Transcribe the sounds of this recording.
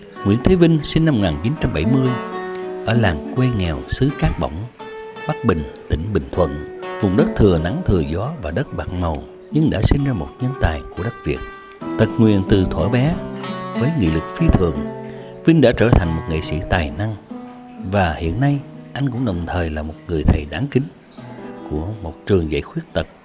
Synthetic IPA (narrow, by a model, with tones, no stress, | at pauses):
ŋi˧˥ənt̪ʰe˨˦vï˧ŋ̟si˧n̟na˧m˨kŋaː˨˩nt͡ɕi˨˦nt͡ɕa˧mɓa˧˩jmɨ˧əjʔəː˧˩laː˨˩mkwe˧ŋɛ˨˩wsɨ˨˦kaː˦˥k̚ɓə̰˧˨wŋ͡mɓa˦˥t̚ɓï˨˩ŋ̟t̪ï˧˩ŋ̟ɓï˨˩ŋ̟t̪ʰwə̰˧˨nvʊ˨˩ŋ͡mɗə˦˥t̚t̪ʰɨ˨˩əna˨˦ŋt̪ʰɨ˨˩əzɔ˨˦vaː˨˩ɗə˦˥t̚ɓaː˨˩t̚mə˨˩w | ɲɨ˧ŋɗa̰ː˧˥si˧n̟zaː˧mo˨˩t̚ɲə˧nt̪a̰ː˨˩jku˧˩əɗə˦˥k̚vi˨˩ət̚ | t̪ə˨˩t̚ŋwḭ˧˨ənt̪ɨ˨˩t̪ʰwaː˧˩jɓɛ˨˦vəː˨˦jŋḭ˧˨lɨ˨˩k̚fi˧t̪ʰɨ˨˩əŋ | vï˧ŋ̟ɗa̰ː˧˥t͡ɕəː˧˩t̪ʰa˨˩jŋ̟mo˨˩t̚ŋḭ˧˨sḭ˧˥t̪aː˨˩jna˧ŋ | vaː˨˩hḭ˧˨ənːa˧jʔa˧jŋ̟kʊ̰˧˥ŋ͡mɗə˨˩wŋ͡mt̪ʰəː˨˩jlaː˨˩mo˨˩t̚ŋɨ˨˩əjt̪ʰə˨˩jɗaː˨˦ŋkï˨˦ŋ̟ | ku˧˩əmo˨˩t̚t͡ɕɨ˨˩əŋza̰ː˧˥jxwi˦˥ət̚t̪ə˨˩t̚